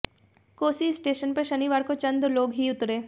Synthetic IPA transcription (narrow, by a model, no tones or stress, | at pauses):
koːsisʈeːʃənpeʃəniʋaːɾkot͡ʃɐ̃nd̪loːɡɦiʊt̪ɾeː